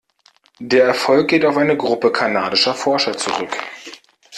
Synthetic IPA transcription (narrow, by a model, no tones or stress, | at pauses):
d̥eːɐɛɐfɔlk̚ɡ̥eːtaʊfʔaɪnəɡʁʊpəkʰanaːdɪʃɐfɔɐʃɐt͡sṵʁʏk